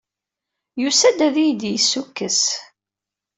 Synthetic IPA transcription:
jusæd̪æðijd̪jəsːukːəs

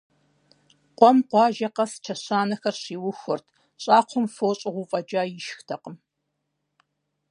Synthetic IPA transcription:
qʷʼɔmqʷɑːʒɐqɐst͡ʃʰɐɕaːnɐxɐrɕiːwʊxʷʊrtʰ | ɕʼɑːqʷʰʊmfoːɕʼɪʁʷupʼɐd͡ʒaːjɪʃxtʰɐqəm

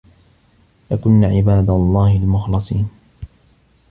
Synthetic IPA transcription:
lakʊnːaʕɪbaːd̪alˤːɑːhɪlmʊxlɑsˤiːn

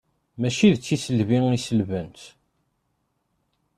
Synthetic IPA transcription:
mæʃiðt͡sːisəlviŋisəlvənt̪

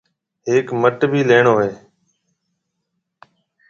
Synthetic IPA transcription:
ɦeːkməʈbʱiːleːɳoːɦeː

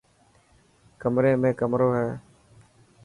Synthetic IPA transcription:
kəmɾẽːmẽːkəmɾoːɦɛː

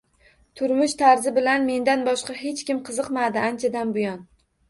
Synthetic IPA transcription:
t̪ʰʊɾmʊʃt̪ʰaɾzɪbɪlanme̞nd̪anbɒʃqɑɦe̞t͡ʃkʲɪmqʰɨzɨqmad̪ɪant͡ʃʰad̪anbʊjɒn

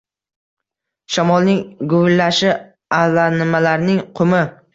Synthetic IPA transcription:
ʃamɒlˠnɪŋɡʊlːaʃɪ | alanɪmalaɾnɪŋqʰʊmɪ

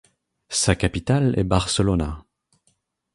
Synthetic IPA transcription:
sakapit̪alɛ̰baʁsəlɔna

